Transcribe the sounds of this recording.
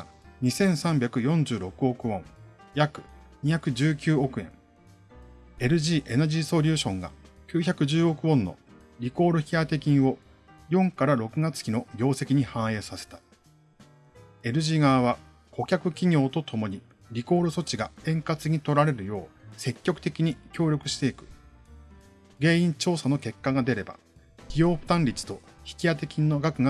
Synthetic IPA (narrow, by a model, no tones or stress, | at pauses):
ɲ̟isẽ̞ɰ̃sãmbʲjakɯ̟jõ̞ɲ̟d͡ʑɨːɾo̞kɯ̟o̞kɯ̟õ̞ŋjakɯ̟̥ɲ̟içakɯ̟d͡ʑɨːkʲɨːo̞kɯ̟ẽ̞̰ŋ | e̞ɾɯ̟ʑiːʔe̞nad͡ʑiːso̞ɾʲɯːɕõ̞ŋɡa̰kʲɨːçakɯ̟ʑɨːo̞kɯ̟õ̞nːo̞̰ | ɾʲiko̞ːɾoçiat̪e̞kʲĩo̞ | jõ̞ŋkaɾaɾo̞kɯ̟ɡat͡sɨ̥kʲino̞ɡʲo̞ːse̞kʲiɲ̟ihãɰ̃e̞ːsase̞̥t̪ḁ | e̞ɾɯ̟ʑiŋaːβ̞a | kʰo̞kʲakɯ̟kʲiɲʲo̞ːt̪o̞t̪ʰo̞mo̞ɲ̟i | ɾʲiko̞ːɾɯso̞t͡ɕiɡaẽ̞ŋkat͡sɨɲ̟it̪o̞ɾaɾe̞ɾɯ̟jo̞ːse̞kʲːo̞kɯ̟̥t̪e̞kʲiɲ̟ikʲo̞ːɾʲo̞kɯ̟ɕi̥t̪e̞ikɯ̟̥ | ɡe̞ːĩɲt͡ɕo̞ːsano̞ke̞kːaɡad̪e̞ɾe̞ba̰ | kʲijo̞ːɸɯ̟̥t̪ãnɾʲit͡sɨ̥t̪o̞çi̥kʲijat̪e̞kʲĩnːo̞ɡakɯ̟ɡa